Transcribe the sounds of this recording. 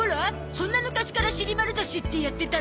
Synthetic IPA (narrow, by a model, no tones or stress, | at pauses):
oɾɯa | sõ̞nːamɯ̟kaɕi̥kaɾaɕiɾʲimaɾɯt̪aɕit̪ːejat̪ːe̞t̪a